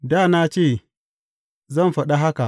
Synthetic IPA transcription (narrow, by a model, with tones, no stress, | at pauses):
daː˦˨na˦t͡ʃeː˦˨ | zɐ˦˨mɸɐ˨ɗa˦ɦa˦ka˨ʔ